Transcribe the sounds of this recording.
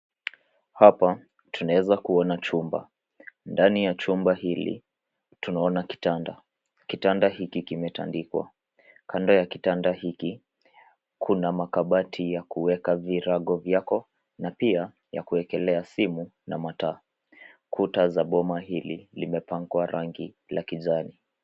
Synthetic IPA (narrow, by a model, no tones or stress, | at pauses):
hapa | tʰunawɛzakuɔnat͡ʃumba̰ | ndanijat͡ʃumbaɦilḭ | tunaɔnaki̥tanda | kitandaɦikikimɛta̰ndikwa̰ | kʰandɔjakitandahiki | kʰunamakaɓatʰijakuwɛkaviɾaɠɔvjakɔ | napia | ja̰kuɛkɛlɛasimuna̰mata | kʰutazaɓɔmaɦililimɛpaŋɡwaɾʔaŋɡi | lakiʄani